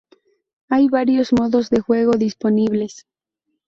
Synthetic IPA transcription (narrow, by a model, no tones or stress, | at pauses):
ajβaɾjo̞zmo̞ðo̞zðe̞xwe̞ɣ̞o̞ðispo̞niβle̞s